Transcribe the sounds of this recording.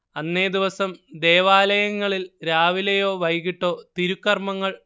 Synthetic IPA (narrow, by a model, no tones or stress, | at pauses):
ɐnːe̞ːd̪iʋɐsɐmd̪eːʋaːlɐjɐŋːɐɭilɾaːʋilejo̞ːʋɐjɣiʈːo̞ːt̪iɾukːɐrmɐŋːɐɭ